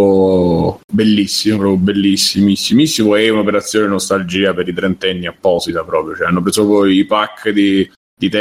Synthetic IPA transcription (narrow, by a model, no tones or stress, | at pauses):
o | belːisːimopɾɔːpjobelːisːimisːimisːimoɛunopeɾat̪sːjoːnenost̪ald͡ʒiːapeɾit̪ɾɛnt̪ɛnːiapːɔːsit̪apɾɔːpɾjot͡ʃɛanːopɾesupɔipakʰːd̪i | d̪̥it̪ɛ